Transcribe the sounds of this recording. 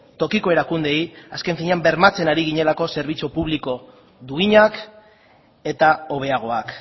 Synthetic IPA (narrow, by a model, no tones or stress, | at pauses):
t̪o̞kiko̞e̞ɾakund̪e̞jaske̞ɱfiɲeambe̞ɾmat͡se̞naɾiɣ̞iɲe̞lako̞se̞ɾβ̞it͡supuβ̞liko̞ | ðuiɲak | e̞t̪ao̞β̞e̞aɣ̞o̞ak